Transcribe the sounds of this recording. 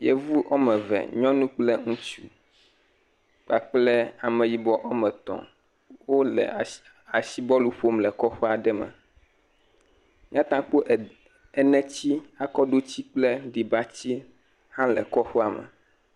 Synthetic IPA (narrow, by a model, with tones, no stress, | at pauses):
jḛ˦vu˦ʔo˦mɛ̃˨vɛ̰˨ɲɔ̃˦nũ˦k͡plɛ˦ŋũ˦t͡ʃu˦ | k͡pa˨k͡plɛ˦a˨mɛ̃˨ji˨bɔ˦ʔo˦mɛ̃˨t̪ɔ̰̃˨ | wo˦lɛ̰˨ | a˨si˦bɔ˦lu˦ɸo˦mlɛ˨kɔ˦ɸo˦a˨ɖɛ˦mɛ̰̃˨ | mĩ˦ã˦t̪ã˦k͡po˦ʔ | ɛ˨nɛ̃˦t͡ɕi˦a˨kɔ˦ɖo˦t͡ɕi˦k͡plɛ˦ɖi˨ba˦t͡ɕi˦ | hã˦lɛ˨kɔ˦xo˦a˨mɛ̰˨